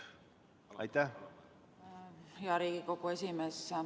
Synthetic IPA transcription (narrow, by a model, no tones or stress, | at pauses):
ɑ̰jt̪ːæh | jɑɾiːɡiko̞kue̞sʲimes